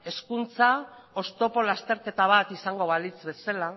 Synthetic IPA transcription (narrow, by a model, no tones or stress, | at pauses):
e̞skunt͡sa | o̞st̪o̞po̞last̪e̞ɾke̞t̪aβ̞at̪isaŋɡo̞βalit͡sβe̞sala